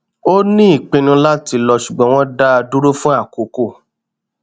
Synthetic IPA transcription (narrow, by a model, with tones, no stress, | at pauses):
o˦nĩ˦i˦˨k͡pĩ˧nũ˧la˦ti˧lɔ˧ʃu˨ɡ͡bɔ̃˨˦w̃ɔ̃˦da˦˧du˦ɾo˦fũ˦a˦˨ko˨ko˦˨